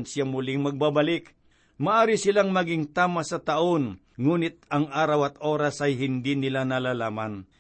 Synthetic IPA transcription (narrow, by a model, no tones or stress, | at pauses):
nsɪjamʊlɪŋmɐɡ̚babalɪk | mɐʔaːɾɪsɪlaŋmɐɡɪŋt̪aːmasɐt̪ɐʔon | ŋuːnɪt̪̚ɐŋʔaːɾawɐt̪ʔo̞ːɾasɐjɦɪnd̪inɪlanɐlalaːman